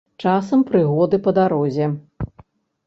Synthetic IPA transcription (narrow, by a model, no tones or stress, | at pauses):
t͡ʂasɐmpɾɨɣɔd̪ɨpɐd̪aɾɔzʲɛ